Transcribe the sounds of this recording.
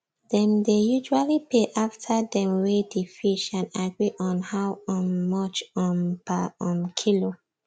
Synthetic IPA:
dɛ̃mdejud͡ʒualipʰeʔaftʰadɛ̃mwedifiʃãnaɡɹiʔɔ̃nhawɔ̃nmɔt͡ʃɔ̃nbaɔ̃nkʰilo

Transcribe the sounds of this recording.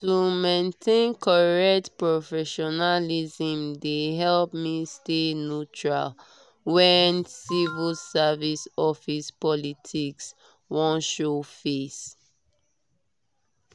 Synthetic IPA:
tumẽntʰẽnkʰɔɹɛk̚tpɹofɛʃɔnalizĩmdeɦɛlpmistenut͡ʃɹa̰l | wɛnsivilsavisɔfispɔlitʰiks | wɔ̃nʃofes

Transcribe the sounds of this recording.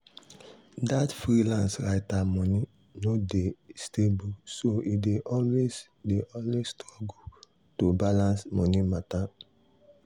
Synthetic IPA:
datfɹilãnsɹaɪtamɔ̃ni | nodestebusoideʔɔlwez | deʔɔlwesstɹɔɡu | tobalãnsmɔnimata

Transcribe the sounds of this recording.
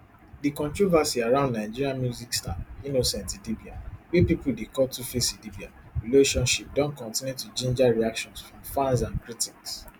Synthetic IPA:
dikɔ̃ntɹovasiaɹãʊ̃ndnãɪ̃d͡ʒiɹiãnmjuzikstãninosɛ̃ntidibiawepipuldekɔtufesidibiaɹileʃɔ̃nʃip̚dɔ̃nkɔ̃ntĩnjutud͡ʒĩnd͡ʒaɹiakʃɔ̃nsfɹɔ̃mfãnsãnkɹitiks

